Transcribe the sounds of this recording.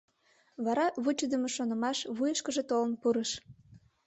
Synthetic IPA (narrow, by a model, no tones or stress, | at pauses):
βɑɾɑβut͡ɕəd̪əmeʃonə̆mɑʃβujəʃkəʒet̪olənpuɾəʃ